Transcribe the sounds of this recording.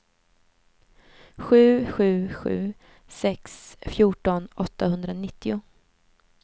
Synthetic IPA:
ɧʉ̟ːɧʉ̟ːɧʉ̟̰ː | sɛksfjuːʈɔnɔt̪ːahɵnd̪ɾanɪt̪ːɪʊ

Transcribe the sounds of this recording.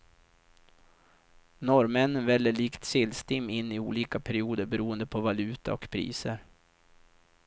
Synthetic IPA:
nɔɾmɛnːənvɛlːəɭiːkt̪sɪlst̪ɪmːɪnːɪṵːliːkapʰæɾɪuːd̪əɾbɛɾuːənd̪əpʰɔvalʉ̟ːt̪a̰ɾɔkpʰɾḭːsəɾ

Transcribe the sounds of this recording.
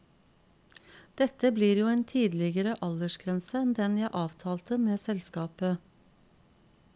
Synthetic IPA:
d̪̥ɛt̪əbliːɾjuːeːnt̪ʰiːd̪lɪɡəɾəʔɑləʃɡɾɛnsəɛnd̪ɛnjæɪʔɑːʋt̪ʰɑːlt̪əmeːsɛlskɑːpə

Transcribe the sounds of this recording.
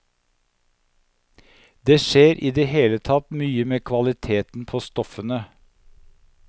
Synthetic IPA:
d̪eːʃeːɾʔiːd̪eːheːlət̪ʰɑt̪myːəmeːkʰʋɑlɪt̪ʰeːt̪n̩pʰoːst̪ɔfənə

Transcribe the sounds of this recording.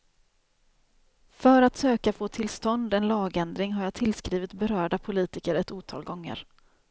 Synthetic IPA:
fœɾat̪søːkafoːt̪ʰɪlst̪ɔnd̪ɛnlɑːɡɛnd̪ɾɪŋɦaɾjɑːt̪ʰɪlskɾiːvɪt̪bɛɾœːɖapʰʊliːt̪ɪkəɾɛt̪uːt̪ʰɑ̰ːlɡɔŋːə̰ɾ

